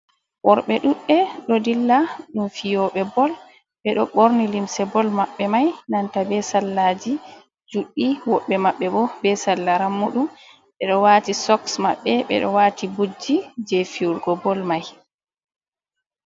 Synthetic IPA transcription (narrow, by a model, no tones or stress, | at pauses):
ʔɔɾɓɛɗuɗɛɗɔdilːaɗumfijɔɓɛbɔl | ɓɛɗɔɓoɾnilimsɛbɔlmaɓːɛmajnantabɛsalːad͡ʒi | d͡ʒuɗːiwɔɓːɛmaɓːɛbɔbɛsalːaɾamuɗum | ɓɛɗɔwatisɔksma̰ɓːɛɓɛ̰ɗɔ̰waːtibud͡ʒːid͡ʒefiuɾɡɔbɔlmaj